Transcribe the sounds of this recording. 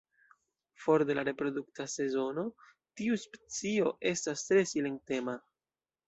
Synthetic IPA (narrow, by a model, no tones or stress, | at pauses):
fo̞ɾde̞laɾe̞pɾo̞duktase̞zo̞no̞ | tiuspe̥t͡sio̞ʔe̞stastɾe̞sile̞ŋ̚te̞ma